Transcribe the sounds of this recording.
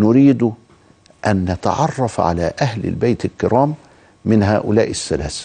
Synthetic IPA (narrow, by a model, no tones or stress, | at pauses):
nʊɾiːd̪ʊ | ʔænːat̪ɑ̰ʕɑrˤːɑfʕa̰læːʔæhlɪ̰lbajt̪ɪlkɪɾɑːmː | ɪnɦaːʔʊlæːʔɪsːalæːs